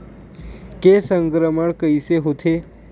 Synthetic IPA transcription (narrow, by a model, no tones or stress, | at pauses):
kesəŋkɾəməɽkəjseɦot̪ʰe